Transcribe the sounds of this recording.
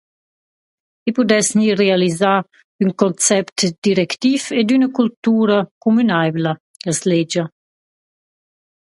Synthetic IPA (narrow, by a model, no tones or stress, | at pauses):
ipud̪ɛsnirealiza | yŋkɔnt͡sɛpt̪d̪̥iɾɛkt̪ifed̪ynəkult̪uːɾəkumynajvlə | kəsled͡ʒɐ